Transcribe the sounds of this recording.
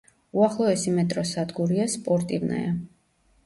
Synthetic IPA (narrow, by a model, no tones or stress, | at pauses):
uaχlˠɔɛsimɛt̪ʼɾɔsad̪ɡuɾiaspʼɔɾt̪ʼivna̰ja